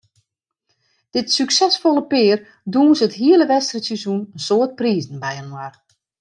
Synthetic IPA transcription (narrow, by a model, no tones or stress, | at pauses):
d̥ɪtsyksɛsfolˠəpɪːər | duːnsəthiələʋɛstrəsizunənsoət̚priːzn̩bɛjənwar